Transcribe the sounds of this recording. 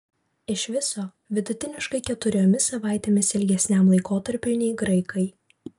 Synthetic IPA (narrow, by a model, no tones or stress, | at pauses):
ɪʃʋʲɪsoː | ʋʲɪd̪ʊt̪ʲɪnʲɪʃkɐɪkʲɛt̪ʊɾʲoːmʲɪsɐʋɑˑɪt̪ʲeːmʲɪsɪlʲɡʲɛsʲnʲɛmlˠɐɪkoːt̪ɐɾʲpʲʊnʲɛɪɡɾɐɪkɐɪ